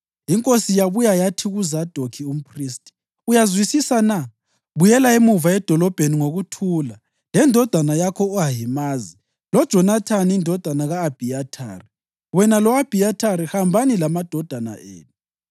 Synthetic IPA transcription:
iŋkʼosijaβujajatʰiɣuzad̥ʱokʰium̩pʰriːstʼi̥ | ujazwisisana | βujɛlaemuvaɛd̥ʱɔlɔb̥ʱeniŋoɣutʰuːla | lɛndʱɔd̥ʱanajakʰɔuɦajimaːzi | lɔd̥ʒ̥ʱɔnatʰanindʱɔd̥ʱanaɣaːb̥ʱiatʰa̰ːri | wɛnalɔab̥ʱijatʰaɾihambʱanilamad̥ʱɔd̥ʱana̰ʔḛːnu

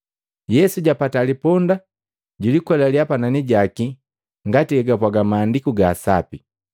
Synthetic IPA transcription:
jɛsuɟapatalipɔnda | ɟulikwɛlaljapananiɟaki | ŋɡatiɛɡapwaɡamaːndikuɡaːsa̰pi

